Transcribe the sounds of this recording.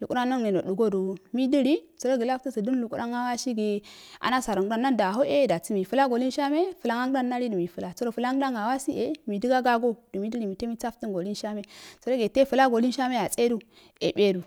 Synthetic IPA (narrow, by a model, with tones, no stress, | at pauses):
lu˨kʼu˦ɾa˦no˦ŋne˨no˨ɗu˨ɡo˦du˨mi˦di˦ɾi˦t͡so˨ɾo˦ɡi˨la˦ftə˦sə˨du˦n˦lu˨ku˦ɾʔa˦ŋa˦wa˦ʃi˦ɡe˨a̰˨na˦sa˨ɾa˨ŋɡɾa˦nːa˦nda˨ɦo˦ʔe˦da˨t͡si˦mi˨fu˨la˦ɡo˨li˦n˦ʃa˦me˦fə˨la˦ŋa˦ŋ˦a˦nːa˦ɾi˦də˨mi˨fə˨la˨t͡so˦ɾo˨fə˨la˦ŋɡɾa˦ŋa˨wa˦si˦ʔe˨mi˨di˦ɡa˦ɡa˦ɡo˦d̥u˨mi˦di˦ɾi˨mi˨te˦mi˦t͡sa˦ftə˦ŋɡo˨li˦nʃa˦me˦t͡so˨ɾo˦ɡe˨te˦fə˨la˦ɡo˨li˦nʃa˦me˦a˨t͡sʼe˦du˦ | e˨be˦du˨